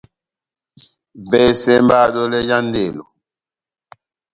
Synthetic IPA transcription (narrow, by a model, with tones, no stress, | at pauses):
vɛ˨sɛ˦mba˦do˦lɛ˦ja˦n˦de˨lo˨